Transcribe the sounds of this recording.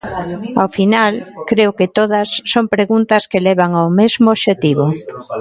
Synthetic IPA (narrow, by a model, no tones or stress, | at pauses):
awfinalkɾeʊkɪt̪oðɐsːompɾeɣunt̪ɐskelɛβaŋaomezmooːʃet̪iβo